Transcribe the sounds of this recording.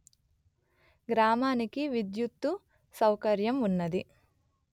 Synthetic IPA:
ɡɾaːmaːnikiʋid̪jut̪ːu | sɐwkɐɾjɐmunːɐd̪i

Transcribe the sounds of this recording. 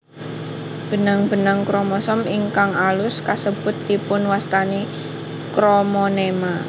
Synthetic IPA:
b̥ə̤naŋb̥ə̤naŋkɾɔmɔsɔmiŋkaŋalʊskasəb̥ʊt̪ːipʊnwast̪ani | kɾomɔnema

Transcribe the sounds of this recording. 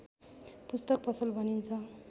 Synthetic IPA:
pust̪ʌk̚pʌsʌlbʱʌnint͡sʰʌ

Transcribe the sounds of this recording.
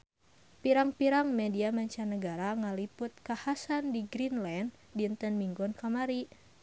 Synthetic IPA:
piɾaŋpiɾaŋmɛdiamaɲt͡ʃanəɡaɾaŋaliput̪̚kahasandiɡɾinlan | dint̪ənmiŋɡɔnkamaɾi

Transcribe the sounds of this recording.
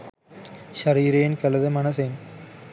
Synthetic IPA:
ʃɐɾiːɾeːnkɐlɐðɐmɐnɐseːn

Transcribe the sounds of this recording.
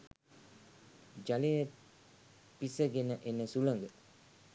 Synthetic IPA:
d͡ʒalejə | pisəɡenəʔenəsuləŋɡə

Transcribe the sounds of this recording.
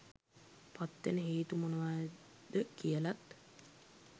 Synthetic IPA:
pat̪ːenəɦeːt̪umonəʋaj | d̪̥əkijəlat̪

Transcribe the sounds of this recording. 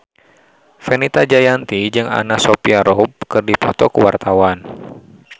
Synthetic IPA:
fɛnit̪ad͡ʒajant̪id͡ʒɨŋa̰nasɔpiaɾʔɔb̚kɨrdipɔt̪ɔkuwart̪awan

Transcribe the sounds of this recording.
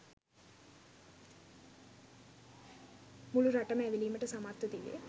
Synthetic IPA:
muluɾɐʈɐmeːʋiliːmɐʈɐsɐmaːt̪ud̪ilḛ

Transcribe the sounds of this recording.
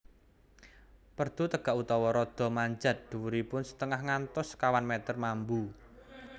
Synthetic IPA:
pərd̪̥ṳt̪əɡ̥a̤ʔut̪ɔwɔɾɔd̪̥ɔ̤maɲd͡ʒa̤t̪̚d̪̥ṳwuɾipʊnsə̥t̪əŋahŋant̪ʊskawanmɛt̪ərmambu

